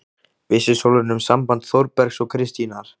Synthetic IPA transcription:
vɪsɪsowlʏɾnʏmsampant̪θɔwɾpɛɾksɔɣkʰɾɪst̪inaɾ̥

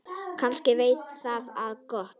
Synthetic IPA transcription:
kʰanscɪveːjt̪θaðaðkɔht̪

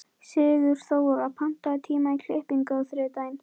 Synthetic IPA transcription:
sɪːɣʏɾ̥θowʏɣaðpʰam̥t̪at̪ʰiːmajkʰlehpɪnkaθɾɪːt̪ajn

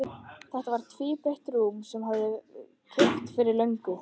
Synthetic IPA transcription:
θɛht̪avaɾ̥t̪ʰviːpeht̪rumsɛmhaððɪ | kʰeht̪fɪɾɪɾlœɥŋkʏ

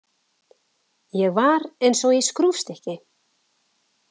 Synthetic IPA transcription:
jɛɣvaɾejnsɔɣɛskɾufst̪ɛhcɪ

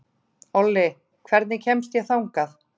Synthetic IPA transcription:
ɔlːɪ | kʰvɛɾt̪nɪcʰɛmst̪jɛɣθawŋkaθ

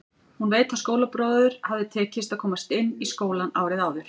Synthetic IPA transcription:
hunveːjt̪ʰaskoːwlapɾɔːððʏɾ̥havðɪt̪ʰɛːcɪst̪aðkʰɔːmast̪ɪnːiskoːwlanaːwɾɪðaːwðʏɾ̥

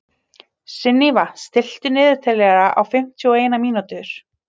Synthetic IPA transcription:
sɪnːivast̪ɪl̥t̪ʏnɪːðʏɾ̥t̪ʰɛlɛɣaɾaʔa̰wfɪm̥t̪ʰiɔeːjnamiːnut̪ʏɾ̥

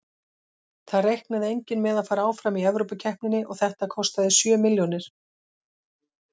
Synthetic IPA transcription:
θaðrejhknaðɪejɲcɪnmɛðaðfaːɾaaːwfɾamiɛvɾowpacʰɛhpnɪnɪʔɔɣθɛht̪akʰɔst̪aðɪsjœːmɪljonɪɾ̥

